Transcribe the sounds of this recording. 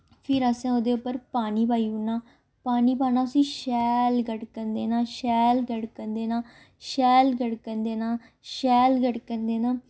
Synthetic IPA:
pʰɪɾəsãːoːd̪eːʊpːəɾpaːniːbʱaːiːʊnːaː | paːniːbaːnaːəsĩːʃɛːlɡəɽkənd̪eːnãːʃɛːlɡəɽkənd̪eːnãː | ʃɛːlɡəɽkənd̪eːnaː | ʃɛːlɡəʈkənd̪eːnaː

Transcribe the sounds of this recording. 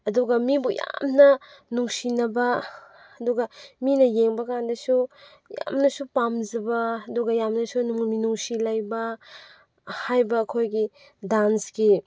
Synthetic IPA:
ɐduɡɐmibuja̰mnɐnuŋsinɐbɐ | ɐduɡɐminɐjeŋbɐkandɐsu | ja̰mnɐsupamzɐbɐɐduɡɐjamnɐsunuŋminuŋsilajbɐ | hajbɐːkʰojɡi | dansɡi

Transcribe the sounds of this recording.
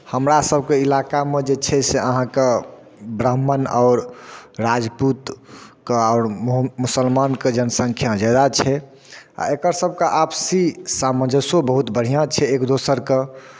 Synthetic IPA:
həmɾasəb̚ʱkeilakamed͡ʒet͡ʃʰɛseəɦãke | bɾəmːənaʊɾːad͡ʒput̪keɔʊɾmusəlmanked͡ʒənəsə̃ŋkʰjãd͡ʒad̪at͡ʃʰɛ | a̰ekəɾsəb̚ʱkeʔapsisamə̃d͡ʒəsobəɦut̪bəɽ̤ijãt͡ʃʰɛekd̪osəɾke

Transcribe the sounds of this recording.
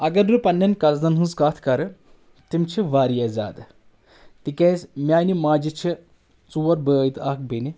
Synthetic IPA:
ɐɡɐɾɾupɐnːɐnkɐld̪ɐnɦunzkaːt̪ʰkɐɾɨ | t̪imt͡ʃʰiʋaːɾijɐza̰ːd̪ | t̪ikeːsmjaːnimaːd͡ʒit͡ʃʰi | t͡suːʋɐɾbəːjt̪aːk̚beni

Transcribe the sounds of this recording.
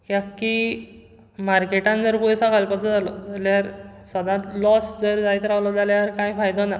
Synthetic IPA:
kjakːi | maɾkeʈãnd͡zəɾpusakalpat͡sad͡zalɔd͡zaljaɾsəd̪ãt̪lɔsd͡zəɾd͡zajt̪ɾaʋlɔd͡zaljaɾkãjfajd̪ɔna

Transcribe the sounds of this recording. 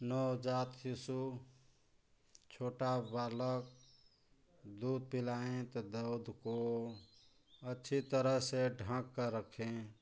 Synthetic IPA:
nɔwd͡ʒat̪jisu | t͡ʃʰoːʈabaːlək | d̪ud̪̚pilaẽt̪ɔd̪əud̪ʱko | ətːʃʰit̪əɾəɦseɖʱə̃kːəɾəkʰẽ

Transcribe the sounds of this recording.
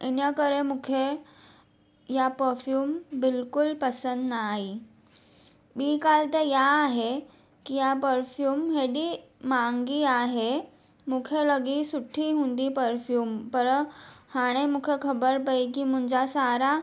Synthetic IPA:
enjəkəɾemukʰe | japəɾfjuːmbilkulpəsənd̪naɦi | biːkalt̪əɾjaːɦe | kijapəɾfjuːmɦeɽiːmaŋɡiːaɦe | mukʰeləɡiːsuʈʰːiːɦũnd̪iːpəɾfjuːmpəɾhaɽ̃emukʰekʰəbəɾpaikiːm̤uɲd͡ʑasaɾa

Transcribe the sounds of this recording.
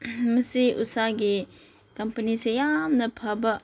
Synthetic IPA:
mɐsiʔṵsaɡi | kɐmpɐnisejamnɐpʰɐbɐ

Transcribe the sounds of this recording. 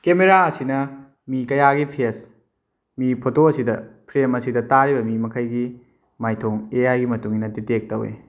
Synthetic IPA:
kemeɾaɐsinɐ | mikɐjaɡipʰes | mipʰotʰoɐsidɐpʰɾemɐsidɐtaɾibɐmimɐkʰɐjɡi | majtʰoŋeajɡimɐtuŋinɐtitek̚tɐwḛ

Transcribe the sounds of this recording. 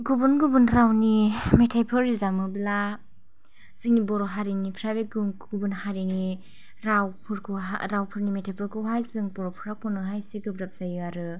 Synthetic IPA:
ɡubɯnɡubɯnɾawnimetʰapʰɯɾizamɯbla | z̥ɯŋnibɔɾɔɦaɾinipʰɾabeɡɡubɯnhaɾini | ɾawpʰɯɾkʰɯɦa̰ɾawpʰɯɾnimetʰajpʰɯɾkʰɯɦajzɯŋbɔɾɔpʰɯɾakʰɔnɯɦajsiɡɯbɾap̚z̥ajɯaɾɯ

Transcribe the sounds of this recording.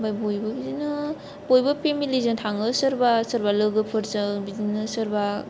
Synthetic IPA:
bajbojbabizinɯ | bojbapʰemilizɯntʰaŋɯsɯɾbasəɾbalɯɡɯpʰɯɾzabizinɯsɯɾba

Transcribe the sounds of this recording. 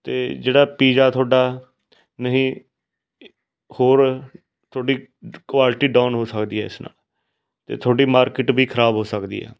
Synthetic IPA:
t̪ḛːd͡ʒeːɽaːpiːd͡ʒaːt̪ʰoːɖaː | nəɦĩː | hoːɾ | t̪ʰoːɖiːkʋaːlɪʈiːɖaːnɦoːsəkd̪iːɦɛ̰ːɪsna̰ːl | t̪ḛːt̪ʰoːɖiːmaːɾkɪʈbiːkʰəɾaːbɦoːsəkd̪ḭːɦɛ̰ː

